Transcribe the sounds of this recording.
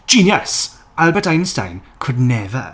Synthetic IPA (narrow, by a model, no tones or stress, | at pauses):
d̥ʒ̥iːnjəs | alˠbətãɪ̃nsta̰ɪ̃nkʰʊdⁿnɛvə̰